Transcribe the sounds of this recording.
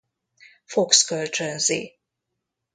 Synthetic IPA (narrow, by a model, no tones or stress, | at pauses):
fokskølt͡ʃønzḭ